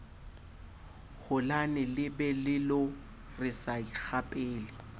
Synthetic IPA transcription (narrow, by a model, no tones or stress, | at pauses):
hʊlanɪlɪbɛlɪlʊ | rɪsaik͡xʰapʼeːlɪ